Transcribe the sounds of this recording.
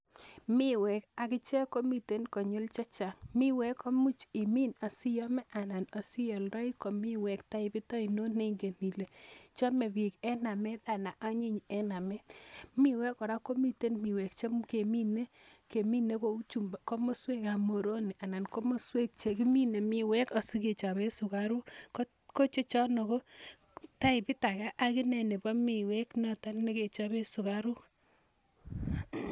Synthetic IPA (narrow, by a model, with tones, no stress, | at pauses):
mɪ˦wɛ˨ka˨kɪ˦t͡ʃɛ˦ko˦mi˨te˦nkɔ˨ɲʊ˦lt͡ʃɔ˦t͡ʃa˨mɪ˦wɛ˦kɔ˦mu˦t͡ʃɪ˨mi˦na˨sɪ˦jɔ˦mɛ˦ʔa˨na˨nɔ˨sɪ˦jɔ˨lɾɔ˦jkɔ˨mɪ˦wɛ˨kta˦ɪ˨pɪ˦tɔ˦i˨no˦ne˦ŋɡe˨ni˨le˨t͡ʃɔ˦mɛ˨wɪ˨kɛ˦na˨mɛ˦t̪a˨na˨ʔa˦ɲɪ˦ɲɛ˦na˨mɛ˦t̪mɪ˦wɛ˦kɔ˨ɾa˦ko˦mi˦te˦nmɪ˨we˨k̚t͡ʃe˦mke˨mi˦ne˦ | ke˨mi˦ne˦ko˨u˦t͡ʃu˨mbko˦mo˦swe˦ka˨mo˨ɾo˦ni˨a˨na˨nko˦mo˦swe˦k̚t͡ʃe˨ki˦mi˦ne˨mɪ˦wɛ˦kɔ˨si˦ke˨t͡ʃa˨βe˦sʊ˨ka˦ɾʊ˦kɔ˦ | ko˦t͡ʃe˦t͡ʃɔ˦nɔ˨ko˦ | ta˦ɪ˨pɪ˦ta˨ka˦ʔa˦ki˦nɛ˨ne˨bɔ˦mɪ˨wɛ˦knɔ˦ta˦lni˦ke˨t͡ʃa˦be˦sʊ˨ka˦ɾu˦